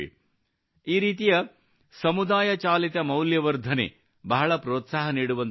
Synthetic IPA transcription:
ḭ | iːɾiːt̪̬ijɐ | sɐmud̪aːjɐt͡ʃaːlit̪ɐmɐwljɐʋɐɾd̪ʱɐnḛ | bɐɦɐɭɐpɾoːt̪saːɦɐniːɽuʋɐn

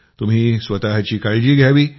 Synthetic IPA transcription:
t̪um̤iːsʋət̪aɦt͡ɕiːkaɭd͡ʑiːɡʱjaʋiː

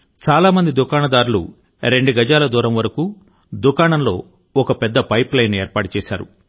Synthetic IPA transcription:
t͡ʃaːlaːmɐnd̪id̪ukaːɳɐd̪aːɾulṵ | ɾe̞ɳɖuɡɐd͡ʒaːlɐd̪uːɾɐmʋɐɾɐku | d̪ukaːɳɐmlo̞ː | ɔkɐpɛd̪ːɐpɐjplɐjneːɾpaːʈut͡ʃɛːʃa̰ːɾṵ

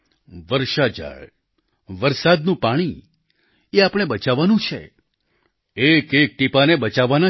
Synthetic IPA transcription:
ʋəɾʃad͡ʒa̰ɭ | ʋəɾsad̪nũpaɽ̃i | eapɽ̃ebət͡ʃaʋːanũt͡ʃʰḛ | ekek̚ʈipanebət͡ʃaʋːana

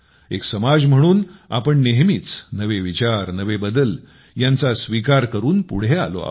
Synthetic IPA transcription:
eksəmad͡zm̤əɽ̃uːna̰pəɳneɦmit͡snəʋeʋit͡ɕaɾnəʋebəd̪əl | jãnt͡sasʋikaɾkəɾuːnpuɽ̤ea̰lo̰a̰

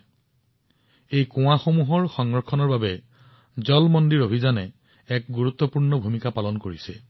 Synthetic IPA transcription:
ejkũwaxomuɦɔɹxɔŋɹɔkʰːɔnɔɹbabɛ | zɔlmɔndiɹobʱizanɛ | ɛk̚ɡuɹut̪ːɔpuɹnɔbʱumikapalɔnkoɹisɛ

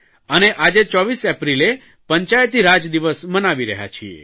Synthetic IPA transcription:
əneʔad͡ʒet͡ʃɔʋisɛpɾile | pəɲt͡ʃajət̪iɾad͡ʒd̪iʋəsmənaʋiɾəɦja̰t͡ʃʰiḛ

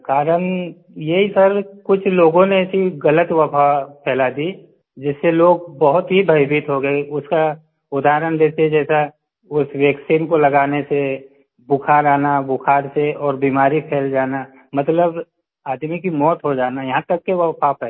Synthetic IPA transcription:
kaːɾən | jeɦisɐɾkʊt͡ʃʰloːɡõneɛsiɣɐlət̪ʋɐpʰapʰɛːlad̪i | d͡ʒɪsːeloːɡ̚bɐɦʊt̪ɦibʱɐɪbit̪ɦoɡeʊska | ʊd̪aːɾənd̪eːsed͡ʒɛːsa | ʊsʋeːksiːmkolɐɡaːnese | bʊkʰaːɾaːnabʊkʰaːɾseɔːɾbiːmaːɾipʰeːld͡ʒaːna | mɐt̪ləb | aːd̪mikimɔːt̪ɦod͡ʒaːnajɐɦãt̪ɐkːeʋəpʰapʰɛ

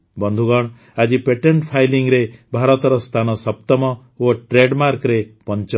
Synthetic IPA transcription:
bɔnd̪ʱuɡɔɽ̃ | ad͡ʒipeʈeɳʈpʰajliŋɾebʱaɾɔt̪ɔɾɔst̪ʰanɔsɔp̚t̪ɔmɔ | oʈɾeɖmaɾkɾepɔnt͡ʃɔ

